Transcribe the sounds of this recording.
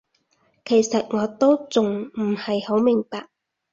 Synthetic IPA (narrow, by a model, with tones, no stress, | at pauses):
kʰe˨˩jsɐ˨t̚ŋɔː˨˧t̪o˥wt͡sʊ˨ŋm̩˨˩hɐ˨jho˨˥wmɪ˨˩ŋpaː˧k̚